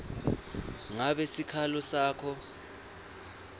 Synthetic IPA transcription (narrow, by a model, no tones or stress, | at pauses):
ŋaɓɛsikʰalɔsaːkʰɔ